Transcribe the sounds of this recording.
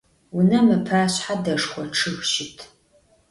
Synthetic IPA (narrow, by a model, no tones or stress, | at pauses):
wʊnɐmɨpʰaːɕħadɐʂχʷɔʈ͡ʂʰɨxʷʃɪtʰ